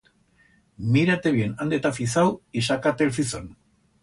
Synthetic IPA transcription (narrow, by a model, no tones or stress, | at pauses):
miɾat̪eβienand̪et̪afisawiʃakat̪elfison